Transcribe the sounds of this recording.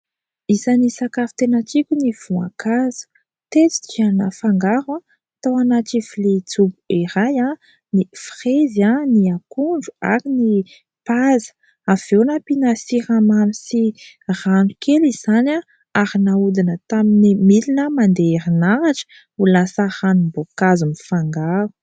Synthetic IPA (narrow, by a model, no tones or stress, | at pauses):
izanisakafu̥t̪enət͡sikʲuniv̥ua̰kazu̥ | t̪et͡si̥d͡ʒianəfaŋɡaɾwa | t̪awanaʈ͡ʂivilit͡subuiɾaja | nifrezaniakuɳd͡ʒu̥a̰ɾini | pazə̥ | av̥ewnapinasiɾamamisi | ranukʰeliz̥ana | aɾinaud̪inət̪aminimilinəmand̪eeɾinaɾaʈ͡ʂə̥ | ulasəhanubokazunifaŋɡaɾu̥